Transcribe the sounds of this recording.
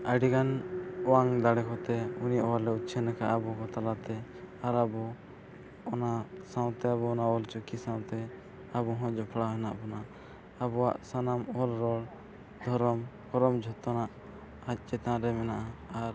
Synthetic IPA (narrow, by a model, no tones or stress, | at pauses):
əɖiɡanɔwaŋd̪aɽɛkɔt̪ɛuniʔɔwalɛut̪t͡ʃʰɛnakaʔabɔkɔt̪alat̪ɛaɾabɔ | ɔnasãw̃t̪ɛaβɔːnaɔlt͡ʃɔkisãw̃t̪ɛ | abɔɦɔ̃d͡ʒɔpʰɽaɦɛnaʔpɔna | abɔwaʔsanamɔlɾɔɽ | d̪ʱɔɾɔmhɔɾɔmd͡ʒʱɔt̪ɔnaʔ | ac̚ˀt͡ʃɛt̪ãʔɾɛmɛnaʔaaɾ